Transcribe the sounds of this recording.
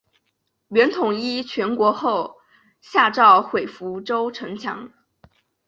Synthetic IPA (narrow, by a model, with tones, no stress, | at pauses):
ɥɛ˧˥nt̪ʰʊ˨˩ŋi˥t͡ɕʰɥɛ˧˥nkwɔ˧˥xo˥˩ʊ | ɕja˥˧ʈ͡ʂɑ˥˩ʊxwe˨˩ɪfu˧˥ʈ͡ʂo˥ʊʈ͡ʂʰɤ˧˥ŋt͡ɕʰjɑ̰˧˥ŋ